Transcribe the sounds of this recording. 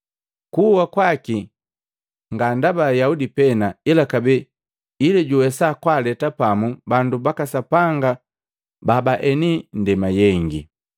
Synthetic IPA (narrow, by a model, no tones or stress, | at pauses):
kuwakwaki | ŋɡandabajaudipɛnailakabɛ | ilɛɟuwɛsakwalɛtapamubandubakasapaŋɡa | babaʔɛnindɛmajɛŋɡi